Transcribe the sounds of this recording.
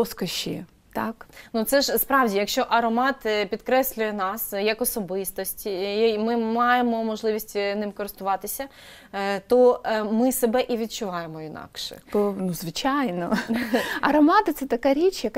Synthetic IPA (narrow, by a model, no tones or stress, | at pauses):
ɔskɐʃʲḭ | t̪ɑknut̪sɛʒspɾɑwdʲijɐkʃt͡ʃɔʔɐɾɔmɑt̪pʲid̪kɾɛsʲlʲʊjɛnɑsjɐkɔsɔbɪst̪ɔsʲtʲmɪmɑjemɔmɔʒlˠɪʋʲisʲtʲnɪmkɔɾɪst̪ʊʋɑt̪ɪsʲɐ | t̪ɔmɪsebɛʔiʋʲid̪̚t͡ʃʊʋɑjemɔinɑ̰kʃɛ̰bɔnuzʋɪt͡ʃɑjnɔ | ɐɾɔmɑt̪ɪt̪sɛt̪ɐkaɾʲit͡ʃjɐk